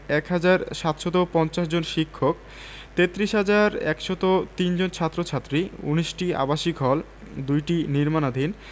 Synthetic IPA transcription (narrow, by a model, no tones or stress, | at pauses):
ɛkɦad͡ʑaɾʃat̪ʃɔt̪opɔnt͡ɕaʃd͡ʑonʃikʰːok̚ | t̪et̪ːɾiʃɦad͡ʑaɾɛ̰kʃɔt̪ot̪ind͡ʑont͡ɕʰat̪ːɾot͡ɕʰat̪ːɾiṵniʃʈia̰baʃikɔl | d̪ujʈiniɾmanad̪ʱin